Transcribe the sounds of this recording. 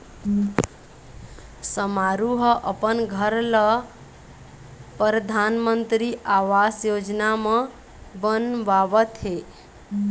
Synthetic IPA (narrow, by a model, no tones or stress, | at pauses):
səmaɾuɦəʔəpənɡʱəɾlə | pɾəd̪ʱanmənt̪ɾiʔawasjod͡ʒnamə̃ | bənbaβət̪ɦe